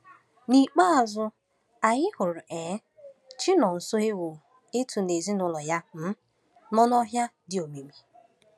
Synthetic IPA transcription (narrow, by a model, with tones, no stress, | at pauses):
ni˨k͡pa˦a˨zʊ˦ | a˨ɣɪ˦hʊ˨ɾʊ˨ʔe˨˦ | t͡ʃɪ˦nɔ˨n̩˨so˦ɦe˦wʊ˨ | e˦tʰu˨ne˨zi˦nʊ˨lɔ˨ja˦m̩˦ | mɔ˦nɔ˦ɦja˦dɪ˦o˨me˨mi˨